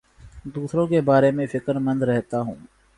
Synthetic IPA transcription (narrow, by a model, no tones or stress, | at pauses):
d̪uːsɾõːkebaːɾemẽːfɪkəɾmə̃nd̪ɾɛɦt̪aːɦṵ̃ː